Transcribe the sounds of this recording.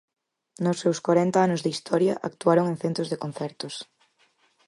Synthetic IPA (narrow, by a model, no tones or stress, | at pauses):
nʊsːewskwaɾɛnt̪ɐanʊzðist̪ʰɔɾjɐʔa̰kt̪uaɾoŋeŋθent̪ɾozðekon̟θɛɾt̪ʊs